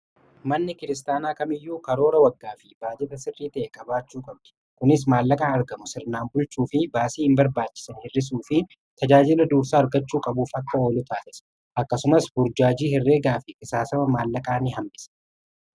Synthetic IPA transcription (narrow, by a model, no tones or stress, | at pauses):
mɐnːɪkɪɾɪs̬t̪aːnaːkɐmɪjːuːkɐɾo̞ːɾɐwɐɡːaːfɪbaːd͡ʒɛt̪ɐsɪrːiːt̪ɐʔɛkʼɐbaːt͡ʃːuːkʼɐbd̪ʊ̥ | kʊnɪsmaːlːɐkʼaːɐɾɡɐmʊsɪɾnaːmbʊlt͡ʃuːfɪbaːsiːhɪmbɐɾbaːt͡ʃːɪ̥sɐnhɪrːɪs̬uːfɪ | t̪ʰɐd͡ʒaːd͡ʒɪlɐd̪uːɾsaːɐɾɡɐt͡ʃːuːkʼɐbuːfɐkːɐoːlʊt̪ʰaːsɪsɐ̥ | ʔɐkːɐsʊmɐsbʊɾd͡ʒaːd͡ʒiːhɪrːeːɡaːfɪʔɪsaːsɐmɐmaːlːɐkʼaːnɪɦɐmbɪsɐ̥